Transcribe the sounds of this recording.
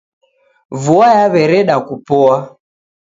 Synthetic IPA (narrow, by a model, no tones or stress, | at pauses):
vuajaβɛɾɛɗakupɔa